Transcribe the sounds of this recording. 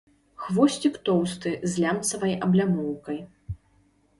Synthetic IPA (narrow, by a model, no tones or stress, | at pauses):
xvɔsʲt͡sʲikt̪ɔwst̪ɨzʲlʲamt̪sɐvɐjɐblʲamɔwkɐj